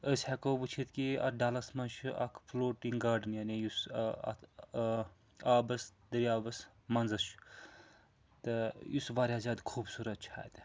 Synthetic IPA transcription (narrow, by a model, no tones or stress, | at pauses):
əsʲhakoːbut͡ʃʰit̪kiɐ̰ɖaːlɐsmɐnt͡ʃʰuʔɐ̰kʰploːʈiŋɡaːɾɖɨnjaːnijus | aːbɐsd̪ɐɾiaːbɐs | mɐnzɐt͡ʃʰ | t̪ɨjusʋaːɾʲaːzʲaːd̪kʰuːbsuːɾɐt̪̚t͡ʃʰa̰ːt̪